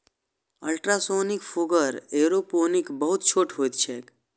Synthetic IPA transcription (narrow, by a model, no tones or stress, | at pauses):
əlʈɾasoːnɪkfʰuɡəɾeːɾoponɪkbəɦʊt̪̚t͡ʃʰoːʈɦoːjt̪t͡ʃʰek